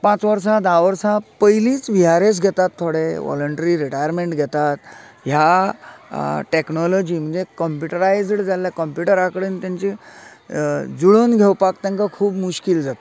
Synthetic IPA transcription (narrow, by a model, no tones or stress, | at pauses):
pãt͡sʋəɾs̬ad̪aʋəɾsapəjlĩːt͡sʋiɦaɾes̬ɡʱɛt̪at̪ʰːoɽeʋɔ̰ləɳʈəɾiɾiʈajəɾmeɳʈɡʱɛt̪at̪ɦja | ʈeknɔlɔd͡ʑiːm̤əɳd͡zekəmpjuʈəɾajd͡zɽd͡zalːjakəmpjuʈəɾakəɽeːnt̪jãɲt͡ɕi | d͡zuɭonɡʱewpakt̪ãŋkakʰuːbmuɕkild͡zat̪e